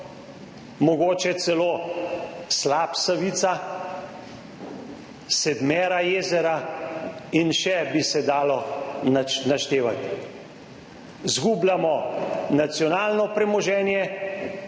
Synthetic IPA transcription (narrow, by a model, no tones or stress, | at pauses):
mɔɡoːt͡ʃɛt̪sɛloː | slaːpsaʋit̪sa | sɛd̪mɛːɾajeːzɛɾa | inʃɛbisɛd̪aːlɔanaʃt̪eːʋat̪ | zɡuːblamɔnat̪sjɔnaːlnɔpɾɛmɔʒɛːnjɛ